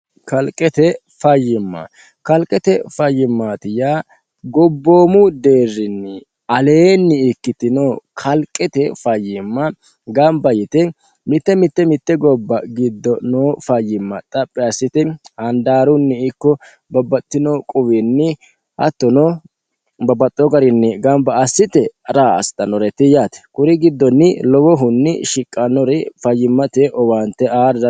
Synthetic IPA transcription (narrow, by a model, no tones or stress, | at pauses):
kɐlkʼɛt̪ɛ | fɐjːɪmːɐ̰ | kɐlkʼɛt̪ɛfɐjːɪmːaːt̪ɪja | ɡɔbːo̞ːmʊd̪e̞ːrːɪnːɪ | ɐle̞ːnːɪːkːɪt̪ɪnoːkʰɐlkʼɛt̪ɛfɐjːɪmːɐ | ɡɐmbɐjɪt̪ɛ | mɪt̪ːɛmɪt̪ːɛmɪt̪ːɛɡɔbːɐɡɪd̪ːɔnoːfɐjːɪmːɐt̪ʼɐpʼːɛɐsːɪt̪ɛhɐnd̪aːɾʊnːɪɪkːɔ | bɐbːɐt̪ːɪnɔkʼʊwɛnːɪ | hɐ̰t̪ːɔnɔ | bɐbɐt̪ʼːɔɡɐɾɪnːɛɡɐmbɐɐsːɪt̪ɛɐɾaːɐ̰st̪ʼːɐnɔɾɛt̪ɪjaːt̪ɛ̥kʼʊɾɪɡɪd̪ːɔnːɪlɔwɔɦʊnːɪ̰ʃɪkʼːɐnɔɾɛfɐjːɪmːɐt̪ɛʔɔwaːnt̪ːɛaːɾdɐ